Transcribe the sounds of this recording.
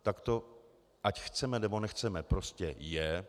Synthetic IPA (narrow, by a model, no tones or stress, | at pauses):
t̪akt̪o̞ | ʔacxt͡sɛmɛnɛbo̞nɛxt͡sɛmɛpɾo̞scɛjɛ